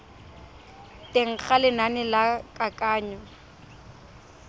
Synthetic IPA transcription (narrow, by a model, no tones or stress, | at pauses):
teŋ̩χalɪnanɪlakʼakʼaːɲɔ